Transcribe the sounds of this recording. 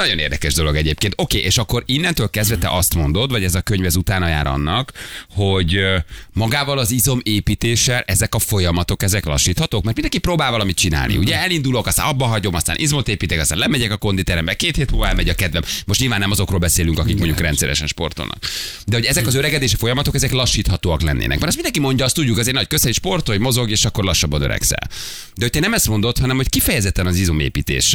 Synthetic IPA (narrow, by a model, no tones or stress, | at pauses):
nɒɟo̞neːrd̪ɛkɛʒd̪o̞lo̞ɡɛɟeːp̚keːnt̪o̞keːʔeːʃɒkːo̞ɾinːɛnt̪øːlkɛzd̪vɛt̪ɛ̰ʔɒst̪mo̞nd̪o̞d̪vɒɟɛzɒkøɲvɛzut̪aːnɒja̰ːɾɒ̰nːɒkho̞ɟmɒɡaːvɒlɒzizo̞meːpit̪eːʃɛlʔɛzɛkɒfo̞jɒmɒt̪o̞kɛzɛklɒ̰ʃːiːt̪hɒt̪oːkmɛrt̪mind̪ɛŋkiproːbaːlvɒlɒmit̪̚t͡ʃina̰ːlnḭuɟɛɛlind̪ulo̞kɒst̪a̰nɒbːɒɦɒɟo̞mɒst̪a̰ːnʔizmo̞t̪eːpiːt̪ekɒst̪aːnlɛmɛɟɛkɒko̞nd̪it̪ɛɾɛmbɛkeːt̪heːt̪huvɛlmɛɟɒkɛd̪vɛmmo̞ʃtɲilvaːnːɛmɒzo̞krolbɛseːlyŋkɒkik̚moɲɟukrɛnt̪sɛɾɛ̰ʃɛ̰nʃpo̞̰rt̪o̰lnɒ̰k | d̪ɛho̞ɟɛzɛkɒzøɾɛɡɛd̪eːʃifo̞jɒmɒt̪o̞kɛzɛklɒʃːiːt̪hɒt̪oːɒklɛ̰nːʔḛːnɛ̰kmɛɾɛst̪mind̪ɛŋkimo̞ɲɟɒɒst̪uɟːukɒzeːrnɒckøsɛiʃpo̞rt̪ojmo̞zo̞ɡeːʃɒkːo̞rlɒʃːɒbːɒnøɾɛ̰ksɛ̰l | d̪ɛhot̪ɛnɛmɛst̪mo̞nd̪ot̪hɒnɛmho̞ckifɛjɛzɛt̪ːɛnɒzizumḛːpiːt̪ḛːʃ